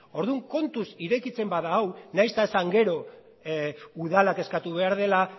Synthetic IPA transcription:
o̞ɾðuŋko̞nt̪usiɾe̞kit͡se̞mbaðaːwnajst̪aesaŋɡe̞ɾo̞ | uðalake̞skat̪uβe̞aɾðe̞la

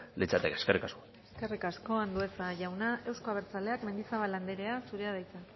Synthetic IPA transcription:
lit͡sat̪ekeskerikasko̥ | eske̞rikasko̞and̪ue̞saʝawnae̞wsko̞aβ̞eɾt͡sale̞akme̞nd̪isaβaland̪eɾe̞asuɾeað̞ajt͡sa

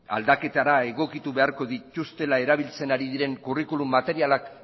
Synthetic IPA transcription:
a̰ld̪ake̞t̪aɾae̞ɣ̞o̞kit̪uβe̞aɾko̞ðic̪ust̪e̞lae̞ɾaβ̞ilt͡se̞naɾiðiɾe̞ŋkurikulumːat̪e̞ɾialak

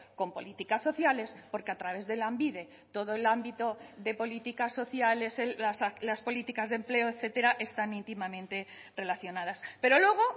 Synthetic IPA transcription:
ko̞mpo̞lit̪ikaso̞θjale̞spo̞ɾkeat̪ɾaβe̞zðe̞lambiðe̞ | t̪o̞ð̞oelambit̪o̞ðe̞po̞lit̪ikasːo̞θjale̞seasalaspo̞lit̪ikazðemple̞oeθe̞t̪e̞ɾaʔe̞st̪anint̪imamẽnt̪e̞ | re̞laθjo̞nað̞aspe̞ɾo̞lwe̞ɣ̞o̞

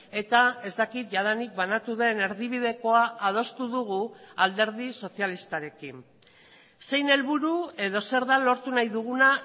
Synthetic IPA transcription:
e̞t̪ae̞zd̪akit̪̚ʝaðanik̚banat̪uðe̞ne̞ɾðiβið̞e̞ko̞aʔað̞o̞st̪uðuɣ̞uald̪e̞ɾðiso̞sialist̪aɾe̞kin | se̞jne̞lβuɾue̞ðo̞se̞ɾðalo̞ɾt̪unajðuɣuna

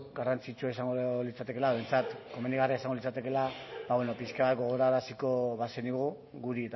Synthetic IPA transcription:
ɡarant͡sit͡ʃuaesaŋɡolit͡sat̪e̞ke̞laent͡sat̪ko̞mend̪iɣariaesaŋɡo̞lit͡sat̪e̞ke̞laβaβwenopiskaβat̪ɡo̞ɣ̞o̞ɾaɾasiko̞βaseniɣ̞u | ɣuɾit̪

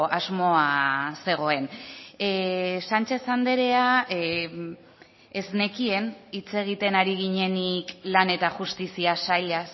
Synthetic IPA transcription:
ʔazmo̞ase̞ɣ̞o̞e̞n | sant͡ʃe̞sand̪e̞ɾe̞a | ezne̞kie̞nit͡se̞ɣ̞it̪e̞naɾiɣiɲe̞niklane̞t̪aʝust̪isiasajʎas

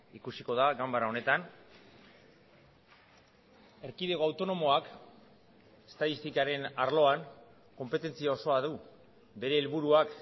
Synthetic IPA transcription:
ikusiko̞ð̞aɡambaɾao̞ne̞t̪an | e̞ɾkiðe̞ɣo̞awt̪o̞no̞mo̞ak | e̞̥st̪aðist̪ikaɾe̞naɾlo̞aŋ | ko̞mpe̞t̪e̞nt͡siao̞so̞aðu | be̞ɾe̞ːlβuɾuak

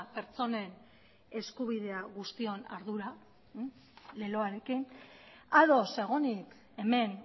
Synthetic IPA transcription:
pe̞ɾt͡so̞ne̞n | e̞skuβiðe̞aɣust̪io̞na̰ɾðuɾa | le̞lo̞aɾe̞kin | aðo̞se̞ɣ̞onik | e̞me̞n

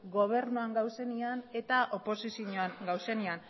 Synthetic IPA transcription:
ɡo̞β̞e̞ɾnuaŋɡawse̞niane̞t̪aʔo̞po̞sisjioɲoaŋɡawse̞nian

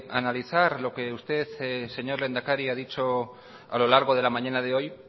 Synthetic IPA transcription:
analiθaɾlo̞ke̞ust̪e̞θse̞ɲo̞ɾle̞nd̪akaɾiaðit͡ʃo̞ | a̰lo̞laɾɣ̞o̞ð̞e̞lamãɲanað̞e̞o̞j

